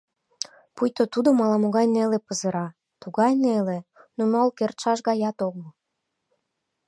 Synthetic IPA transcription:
pujt̪ot̪ud̪omɑlɑmoɣɑjnelepəzəɾɑ | t̪uɣɑjnelenonolkert̪ʃɑʃɣɑjɑt̪oɣlo

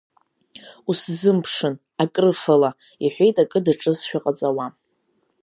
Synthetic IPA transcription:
uszɨmpʰʂɨn | akʼrɨfala | iħʷᶣe̞jtʼakʼɨdaʈ͡ʂʼɨsʃᶣaqʼat͡sʼawa

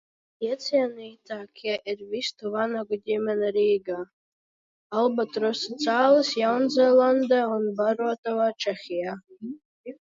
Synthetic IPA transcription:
jɛt͡sʰjanejtʰaːkʲʰaʔirvistʰuvanaɡʷʊdʲemʲanarijɡa | albatʰʼrosot͡sʰalɨsjawnzalandaunbarwatʰʼawat͡ʃʰaχʲija

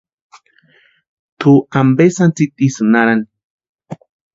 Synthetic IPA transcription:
t̪ʰuambesant͡sit̪ʼisɨnaɾani

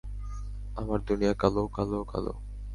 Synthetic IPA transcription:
amaɾd̪unijakɐlokɐlokɐ̰lo̰ː

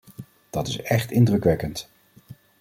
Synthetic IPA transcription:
d̥ɑtɪsɛχtɪndrɵkʋɛkənt

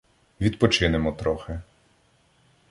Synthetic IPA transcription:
ʋʲid̪pɔt͡ʃɪnemɔt̪ɾɔxɪ

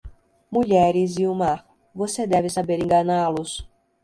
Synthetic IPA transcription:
muʎɛɾɪziuma | vosed̪ɛvɪsabeɾẽŋɡanalʊs

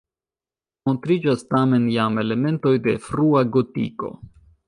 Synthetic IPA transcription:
mo̞ntɾid͡ʒastame̞njame̞le̞me̞nto̞jde̞fɾuaɡotḭko̞̰

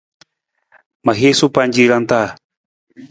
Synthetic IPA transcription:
maɦesupand͡ʒiɾant̪a

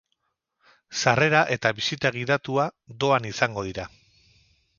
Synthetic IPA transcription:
sare̞ɾaʔe̞t̪aβisit̪aɣ̞iðat̪uad̪o̞anisaŋɡo̞ð̞iɾa

